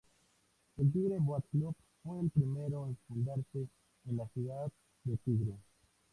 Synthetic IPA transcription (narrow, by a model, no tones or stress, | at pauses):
eld̪iɡɾeboatklop | foelpɾime̞ɾoenfund̪aɾseː | nlasiɡat̪ | d̪et̪iɡɾo